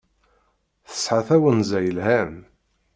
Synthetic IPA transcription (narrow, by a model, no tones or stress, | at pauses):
θə̥sħaθæwənzæjəlhæm